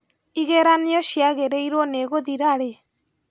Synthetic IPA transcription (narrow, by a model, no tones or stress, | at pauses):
iɣeɾaneɔʃjaɣeɾeiɾwoneɣoðiɾaɾe